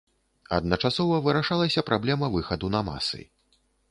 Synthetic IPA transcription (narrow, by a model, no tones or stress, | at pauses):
ɐ̰d̪̚nɐt͡ʂasɔvɐvɨɾaʂalˠɐsʲɐpɾablʲɛmɐvɨxɐd̪unɐma̰sɨ̰